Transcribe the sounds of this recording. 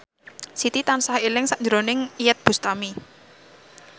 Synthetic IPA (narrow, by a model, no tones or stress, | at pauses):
sit̪it̪ansahelɪŋsaʔɲd͡ʒəɾonɪŋijət̪̚b̥ṳst̪ami